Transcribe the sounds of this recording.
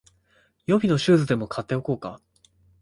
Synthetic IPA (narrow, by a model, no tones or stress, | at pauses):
jo̞bʲino̞ɕɨːzɨd̪e̞mo̞kʰat̪ːe̞o̞ko̞ːka